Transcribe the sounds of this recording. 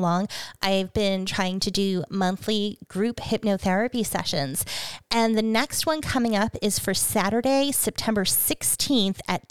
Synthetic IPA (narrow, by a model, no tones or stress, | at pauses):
lɔ̃ŋʔaɪvbɪ̃ntʰɹ̥aɪɪ̃ŋtʰɨdɨmʌ̃nθliɡ̥ɹʉphɪp̚noʊθɛɹɨpisɛ̰ʃɨ̃nz̥ʔɨ̃nðɨnɛkst̚wʌ̃nkʰʌmɪ̃ŋʌpɪz̥fə˞sæɾə˞ɾeɪsɛp̚tʰɛ̃mbə˞sɪkstʰĩnθɨt̚